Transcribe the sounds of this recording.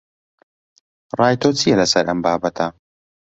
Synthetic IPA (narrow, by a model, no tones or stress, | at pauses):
rɑːjt̪ʰot͡sʰijɛlɐsɐɾʔɐmbaːbɐt̪ʰɐ